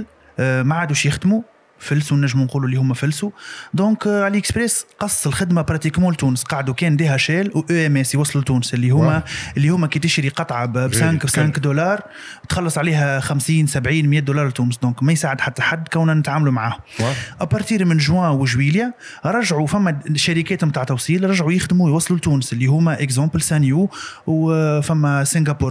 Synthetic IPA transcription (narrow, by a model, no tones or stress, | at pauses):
l | maʕaːd̪uʃjɪxd̪mu | fɪlsunæʒːəmunquːlulːihʊmːæfɪlsud̪ɔ̃ːkaliɛkspɾɛːsqɑsˤːəlxɪd̪mapɾˤɑt̪iːkmɔ̃ːlt̪uːnəsqɑːʕd̪ukɛːnd̪iːhæʃɛːlwʔøɛmɛsiwɑsˤlɪlt̪uːnəsɪlːihʊmːæʔɪlːihʊmːækɛːt̪ɪʃɾiqɑt̪ˤʕɑbbsæ̃ːksæ̃kd̪olɑːɾˤ | t̪xɑlːɑsˤʕliːɦɛxæmsiːnsæbʕiːnmjɛːd̪olɑːɾˤlt̪uːnəsd̪ɔ̃ːkmæjsaːʕəd̪ħat̪ːaħad̪ːkæwnnɪt̪ʕaːmlumʕaːhʔapɑɾt̪iːɾmɪnʒwɛ̃wəʒwiːlja | ɾˤɑʒʕufæmːæʃæɾikɛːt̪mt̪aːʕt̪ɑfsˤiːlɾˤɑʒʕujɪxd̪mujwɑsˤlult̪uːnəsɪlːiɦʊmæʔɪkzɑ̃ːplsænjuːwfæmːæsɪ̃ŋɡapuːɾ